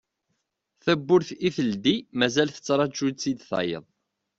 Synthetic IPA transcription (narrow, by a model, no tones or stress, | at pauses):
θæbːʊɾθiθəld̪imæzælθə̥t͡sːɾˤɑt͡ʃːud̪t͡sːid̪θɑ̰jə̰ðˤ